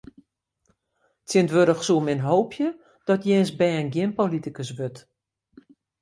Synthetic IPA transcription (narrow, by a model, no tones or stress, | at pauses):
tjɪntʋøɾəxsuəmɪnɦoːpʰjə | d̥ɔtjɛːnsbɛənɡjɪnpolitikəsʋøt